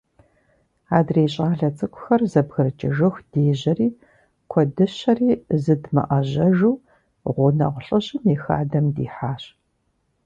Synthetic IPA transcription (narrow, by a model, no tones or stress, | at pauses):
aːdreːɕʼaːɮɐt͡sʼɨkʷʰʼʊ̥xɐrzɐbɣɨrɨt͡ʃʼɪʒɨxd̥eːʑɐriː | kʷʰɔdɨɕɐriːzɨdmɐ̰ʔɐʑɐʒuː | ʁʷʊnɐ̰ʁʷɬʼɨɕʼɪmjɛxa̰ːdɐmdḭːħaːɕ